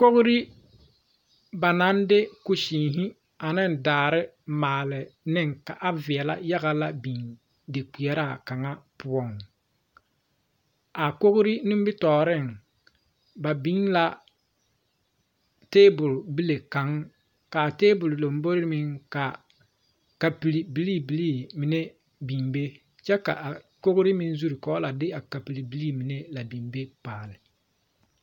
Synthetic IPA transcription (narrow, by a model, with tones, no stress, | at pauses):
ko˦ɣʊ˦ɾi˦ | ba˨na˦nde˦ku˨ʃiː˨ŋɦɪ˦ | a˨nɪ˦n˨daː˨ɾɪ˦ | maː˨lɪ˨nɪ˦ŋka˨ʔa˦vɪ˨ɛ˨la̰˦ja˦ɣa˦la˦bi˨ŋ | de˨k͡pi˨ɛ˨ɾa˦˨ka˨ŋa˦pʊ˦ɔ˨ŋ | a˨ko˦ɣʊ˦ɾi˦nɪ˦m˦bɪ˦tɔː˨ɾɪ˦˨ŋ | ba˨bi˦ŋla˦ | teː˦bʊ˨lbi˦le˨ka˨ŋ | ka˨teː˦bʊ˨llo˨m˦bo˦ɾɪ˦ɾmɪ˦ŋka˨ | ka˨pi˨li˨bi˨˦li˦bi˨liː˦mi˨ne˦ | bi˨ŋbe˦ | t͡ʃɛ˦ka̰˨ʔa˨ko˦kʊ˦ɾɪ˦mɪ˦n˦zu˦ɾi˨kɔː˦la˨dɪ˦a˨ka˨pi˨li˨bi˦liː˦mi˨ne˦la˨bi˨ŋbe˦paː˨lɪ˨